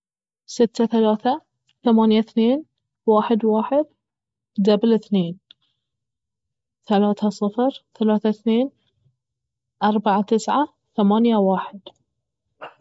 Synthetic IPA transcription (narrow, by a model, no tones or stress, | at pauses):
sɪt̪ːaθalaːθa | θamaːnjaθneːn | waːħɪd̪waːħɪd̪̚ | d̪ablɪθneːn | θalaːθasˤɨfɾθalaːθaθneːn | ʔɑɾˤbaʕat̪ɪsʕa | θamaːnjawaːħɪd̪̥